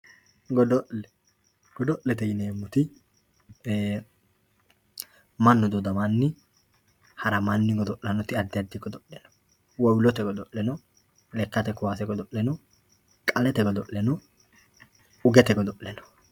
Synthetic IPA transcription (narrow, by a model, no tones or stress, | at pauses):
ɡɔd̪ɔʔlɛ | ɡ̥ɔd̪ɔʔlɛt̪ɛjɪneːmːʊt̪ɪ | mɐnːɔd̪ɔd̪ɐmanːɪ | hɐɾɐmanːɪɡɔd̪ɔʔːɐnɔt̪ɪɐd̪ːɪɐd̪ːɪɡɔd̪ɔʔlɛnɔ̥ | wɔwlɔt̪ɛɡɔd̪ɔʔlɛnɔ | lɛkːɐt̪ɛkːʊwaːsɛɡɔd̪ɔʔlɛnɔ | kʼɐlɛt̪ɛɡɔd̪ɔʔlɛnɔ | ʊɡɛt̪ɛɡɔd̪ɔʔlɛnɔ̥